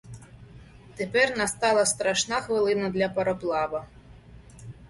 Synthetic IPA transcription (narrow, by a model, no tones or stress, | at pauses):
t̪epɛrnɐst̪ɑlˠɐst̪ɾɐʃnaxʋɪlˠɪnɐd̪lʲɐpɐɾɔplˠɑʋɐ